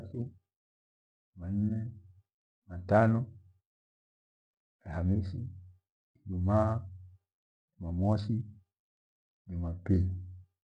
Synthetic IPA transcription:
si | man̩nɛ | matanɔ | alhamisi | id͡ʒuma | imamɔsi | nimapili

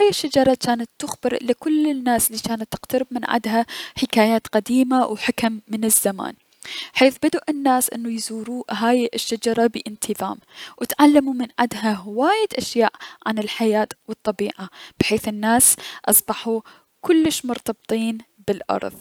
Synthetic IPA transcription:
haːjɪʃːad͡ʒɑɾˤɑt͡ʃaːnat̪ːʊxbɪɾlɪkʊlːɪnːaːsɪlːiːt͡ʃaːnat̪ːɪqt̪aɾɪb̚mɪnʕa̰d̪ɦaħɪkaːjaːt̪qad̪iːmawħakmːɪnɪzːama̰ːn | ħeːθbɪd̪ʔɪnːaːsʔɪ̰nːujzuːɾuːɦaːjʔɪʃːad͡ʒɑɾˤɑbɪʔɪnt̪ʰɪða̰ːmwɪt̪ʕalːamumɪnʕa̰d̪ɦaɦwaːjɪd̪ʔaʃjaːʔʕa̰nɪlħajaːt̪wɨt̪ˤːɑbiːʕab̥ħeːθɪnːaːsʔɑsˤbɑħu | kʊlːɪʃmʊɾt̪ɑbt̪ˤiːnbɪlʔɑ̰ɾˤðˤ

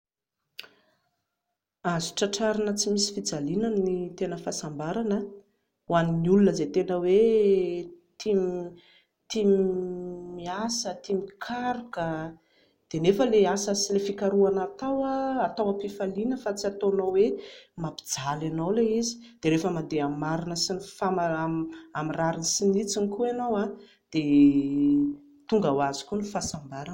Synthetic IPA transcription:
azi̥ʈ͡ʂaʈ͡ʂaɾanət͡simisi̥fid͡zalinanit̪enəfasambaɾanə | waniniulunəzet̪enəwe | t̪im | t̪im | miasət̪imikʰaɾukə | d̪̥enefəleasəsilefikaɾuanat̪awaat̪awapifalinəfat͡siat̪onowwemapi̥d͡zalanowleizi̥d̪̥eɾefəmad̪eamaɾinəsinifamaamiraɾinsinit͡sinikuenowa | d̪̥e | t̪uŋɡawazi̥kʲunifasambaɾa

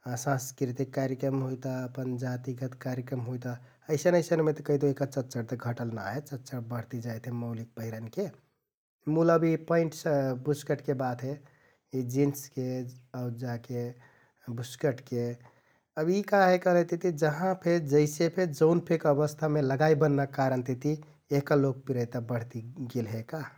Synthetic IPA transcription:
sãnskɾit̪ikːaɾjəkɾəmɦojt̪aəpənd͡ʒat̪iɡət̪kaɾjəkɾəmɦojt̪a | əɪsənəɪsənmet̪əkəɦid̪oɦikat͡ʃət̪ːt͡ʃəɽt̪əɡʱəʈəlna̰ɦet͡ʃət̪ːt͡ʃəɽbəɽ̤t̪id͡ʒajt̪ɦeməʊlik̚pəɦiɾənke | muləbipəiɳʈsbuskəʈkebat̪ɦe | id͡ʒinskeəʊd͡ʒake | buskəʈke | əbikaɦekəɦlət̪it̪id͡ʒəɦãpʰed͡ʒəɪsepʰed͡ʒəʊnpʰekəbəst̪ʰameləɡaibənːakaɾənt̪it̪i | eɦkalok̚piɾəjt̪abəɽ̤t̪iɡelɦeka

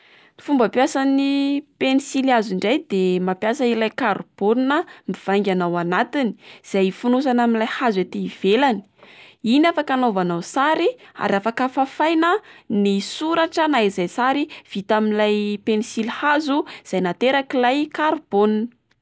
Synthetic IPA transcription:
fumbəpjasanipenisiliaziɳɖ͡ʐajd̪emapjasailajkaɾb̥onnəmiv̥aŋɡʲanawanat̪ini̥z̥ajfunus̬anaminlajhazet̪iːv̥elani̥inafakanovanawsaɾia̰ɾafakəfafajnənisuɾaʈ͡ʂənaizajsaɾiv̥it̪aminlajpenisilhazuz̥ajnat̪eɾakilajkaɾbonnə̥

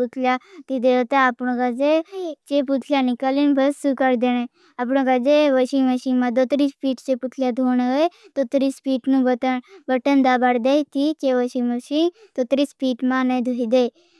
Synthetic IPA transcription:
ut̪ʰljat̪id̪eot̪aəpɽ̃õkad͡ʒet͡ʃeput̪ʰljaːnɪkəlinbʱəsukəɾd̪enẽː | əpɽõkad͡ʒeʋəʃiməʃimãd̪ot̪ɾispiːʈt͡ʃeput̪ʰljaːd̪ʱoːñet̪oːt̪ɾispiːʈnũːbəəbəʈənd̪aːbəɽd̪et̪ʰikeʋəʃĩməʃĩ | t̪oːt̪ɾispiːʈmãːnəd̪ʱoːid̪e

